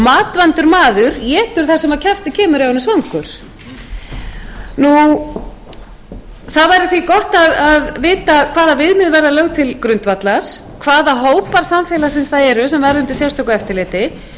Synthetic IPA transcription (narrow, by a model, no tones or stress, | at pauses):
maːt̪vant̪ʏɾmaːðʏɾjɛːt̪ʏɾ̥θasɛmaðcʰaft̪ɪcʰɛːmʏɾjawnːʏsvaŋkʏɾ̥ | nu | θaðvajɾɪθikɔht̪aðaðvɪːt̪akʰvaːðavɪðmɪðvɛɾðalœɣt̪ʰɪlkɾʏnt̪vat̪laɾ̥ | kʰvaːðaɦoːwpaɾ̥samfɛːlasɛnsθaðɛɾʏsɛmvɛɾðʏmt̪ɪlsjawst̪ʰɔwkʏɛft̪ɪlɪːt̪ɪ